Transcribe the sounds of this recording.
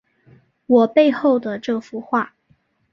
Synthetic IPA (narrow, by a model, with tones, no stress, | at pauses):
wɔ˨˩pe˥˧ɪxo˥˩ʊd̪ə˨˩ʈ͡ʂɤ˥˩fu˧˥xwa˥˩